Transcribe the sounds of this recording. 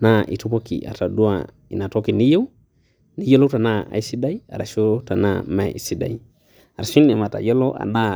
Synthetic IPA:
na˦ʔḭ˨tu˦po˦kḭ˨a̰˨ta˨du˦a˨ | i˨na˨tɔ˦ki˨ni˦je˦w | ni˦je˦lo˦ta˨na˦a̰˨i˦si˦da˦i˦a̰˨ɾa˨ʃo˦ta˨na̰˦mɛ̰˨i˨si˦da̰˨i˦ | a˨ɾa˨ʃi˦ni˨ma˨ta̰˨jɛ˦lo˦ʔa̰˨na˦

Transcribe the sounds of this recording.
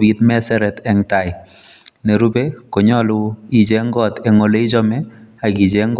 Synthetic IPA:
bi˨t̪mɛ˦sɛ˦ɾɛ˨t̪ɛ˨ŋta˨ɪ˨ | nɛ˨ɾu˦be˦ko˨ɲɔ˦lʊ˦i˨d͡ʒe˦ŋɡɔ˦˨t̪ɛ˨ŋo˨le˦i˦d͡ʒɔ˦mɛ˦a˨ɡi˨d͡ʒe˦ŋɡ

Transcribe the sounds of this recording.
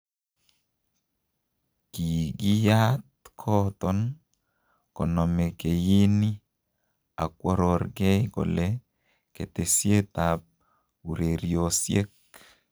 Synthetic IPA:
ki˨ɡi˦ja˦tkʰɔ˦tɔn | kɔ˨nɔ˨me˨ke˨ji˦ni˦ | a̰˨kwɔ˦ɾɔ˨ɾɡe˦kɔ̰˨le˦ | ke˨te˨sje˦t̪ap̚ | u˨ɾe˨ɾjosje˦k

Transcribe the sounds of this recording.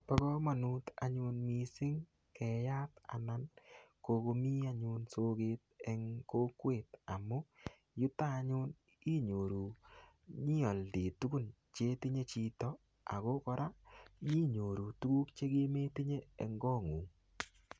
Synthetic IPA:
pɔ˦ɡɔ˦mɔ˨nu˨˦ta˨ɲʊ˧nmi˨sɪ˦ŋ | kɛ˨ja˦ta̰˨na˨nko˨˧ko˧mi˦a˦ɲʊ˨nso˦ɡe˦t̚ɛ˨ŋko˦kwe˨ta˨mo˦ | jʊ˦ta˦ɲʊ˦n | i˦ɲo˨ɾu˨ | ɲi˦ɔ˨ldi˨tu˦ku˦n | t͡ʃe˦ti˦ɲe˦t͡ʃi˨tɔ˦ | a̰˨ɡo˦kɔ˦ɾʔa˦ji˦ɲo˨ɾu˨tu˦ɡu˦kt͡ʃe˦ɡe˦me˦ti˦ɲeː˦˨ŋɡɔ˦ŋu˨ŋ

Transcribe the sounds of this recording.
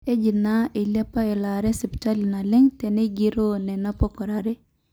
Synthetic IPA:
e˦d͡ʒi˨na˦i˨la˦pa˦e˨la˨ɾe˦si˨pta˦li˨na˨lɪ˦ŋtɛ˨ne˦ɡi˦ɾo˦nɛ˨na˦po˦kɔ˨ɾa˨ɾe˦

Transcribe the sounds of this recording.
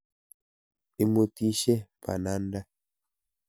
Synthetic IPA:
i˦mo˨ti˦ʃe˦pa̰˨na˨˦nda˦

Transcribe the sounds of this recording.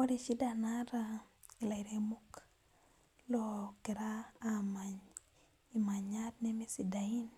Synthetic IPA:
ɔ˦ɾi˨ʃi˦da˨na˦ɾa | i˨la˨iɾe˨mu˦k | loki˨ɾaː˦ma˨ɲ | i˨ma˨ɲa˦tnɛ˦mi˦si˨da˨i˦n

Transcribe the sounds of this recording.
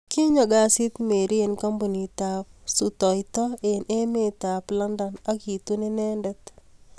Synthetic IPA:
ki˦ɲɔ˨ɡa˦sɪ˦t̪me˨ɾi˦enkɔ˦mbu˨ni˨t̪a˨p̚sut̪ɔ˨ɪt̪ɔ˦enʔe˦me˦t̪a˨pla˦nda˨na˦ki˨t̪u˦ne˦nɛ˦ndɛ˦t̪

